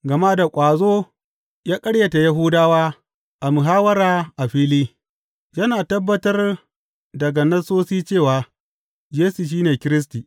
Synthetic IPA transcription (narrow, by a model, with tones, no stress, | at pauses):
ɡɐ˨ma˦da˨kʷʼaː˨zoː˦ | jaː˦kʼɐ˦ɽjɐ˨ta˨jɐ˦ɦʊ˦daː˦waː˦ | ʔa˨mu˨ɦaː˦wɐ˦ɾaː˨ʔa˨ɸiː˦liː˦ | jɐ˦naː˨tɐ˦bːɐ˦tɐ˦r | dɐ˨ɡa˨nɐ˦soː˦siː˦t͡ʃeː˦˨waː˨ | jeː˦su˨ʃ̬iː˦neː˨kʲɪ˦ɾɪ˦s̬tiː˨